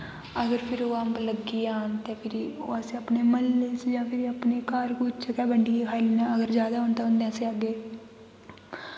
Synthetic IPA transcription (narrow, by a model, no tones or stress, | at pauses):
əɡəɾpʰɪɾoːəmbləɡiːaːnt̪eːpʰɪɾio̰ːəsẽːəpneːməlːeːsd͡ʒãːpʰɪɾiəpneːkaːɾkut͡ʃəkɛːbəɳɖiːkʰaːilinãːəɡəɾd͡ʒjaːd̪aːɦʊ̃nt̪ãɦʊ̃nd̪ẽəsẽːəɡːeː